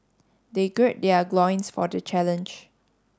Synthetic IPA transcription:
deɡɹɛt̚dɛəɡlɔ̃j̃nsfɔ̰dət͡ʃɛlə̃nd͡ʒ

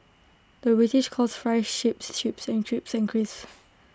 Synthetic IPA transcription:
ðəbɹitɪʃkʰɔsfɹɛʃʃɪpstipsɛ̃ntʰɹipsɪ̃ŋkʰɹis

